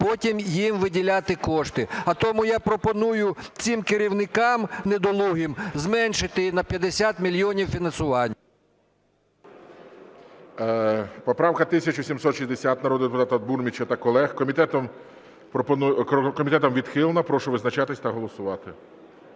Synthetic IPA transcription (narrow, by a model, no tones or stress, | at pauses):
pɔtʲimjimʋɪdʲilʲat̪ɪkɔʃt̪ɪɐt̪ɔmʊjɑpɾɔpɔnujʊt͡sʲimkɪɾʲiwnɪkɑmned̪ɔlˠuɦɪmzmɛnʃɪt̪ɪnɐpʲjɐd̪esʲat̪mʲilʲjɔnʲiwfʲinɐnsʊʋɑnʲː | pɔpɾɑwkɐt̪ɪsʲɐt͡ʃɔsʲimsɔt̪ʃizʲd̪esʲat̪nɐɾɔd̪ʊd̪epʊt̪ɑt̪ɐd̪̚burmʲit͡ʃɐt̪ɐkɔlˠɛxkɔmʲit̪ɛt̪ɔm | pɔpɔnkɔmʲit̪ɛt̪ɔmʋʲid̪xɪlˠnɐpɾɔʃʊʋɪznɐt͡ʃat̪ɪsʲt̪ɐɦɔlˠɔsʊʋɑt̪ɪ